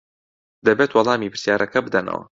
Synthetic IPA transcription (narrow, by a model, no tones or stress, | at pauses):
d̪ɐbeːt̪wɑlˠɑːmiːpʰɨɾ̥sjaːɾʔɐkɐbɨd̪ɐnɐ̰wɐ̰